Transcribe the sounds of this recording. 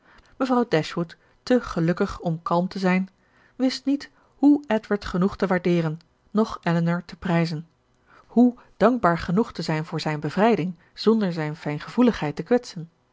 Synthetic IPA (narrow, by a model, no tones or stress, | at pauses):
məvrɑwdɛʃʋutː | əχəlɵkəχɔmkɑlˠmtəzɛjn | ʋɪstnit | ɦuɛtʋəɹtχənuχtəʋaːɹdɪːrənː | ɔχʔɛlənəɹtəprɛjzən | hu | d̥ɑŋɡ̚baːɹχənuχtəzɛjnvʊːɹzɛjnbəvrɛjdɪŋ | z̥ɔndəɹzɛjnfɛjnχəv̥uləχɦɛjtəkʋɛtsən